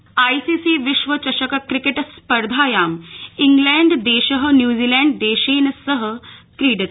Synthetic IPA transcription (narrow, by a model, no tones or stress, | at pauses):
aːisiːsiːʋɪʃʋɐt͡ɕɐʃɐkɐkɾikeʈspɐɾd̪ʱaːjaːmiŋɡlɛ̃ːɳɖd̪eːʃəɦənjuːziːlɛ̃ːɳɖd̪eːʃeːnɐsɐɦə̆kɾiːɖɐt̪